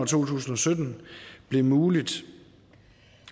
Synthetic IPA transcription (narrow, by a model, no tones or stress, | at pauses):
ɐt͡sʰo̝̰ːt͡sʰṵːsn̩ɒ̽sød̥n̩b̥le̝muːlid̥